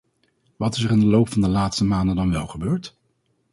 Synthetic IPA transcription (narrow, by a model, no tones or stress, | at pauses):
ʋɑtɪs̬ərɪndəlowpfɑndəlaːtstəmaːndədɑnʋɛlˠχəbøːɹt